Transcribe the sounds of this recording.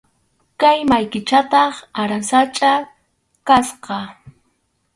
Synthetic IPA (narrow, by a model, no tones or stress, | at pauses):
kajmajkɪt͡ʃat̪ɑχaɾasat͡ʃʼa | kasqɑ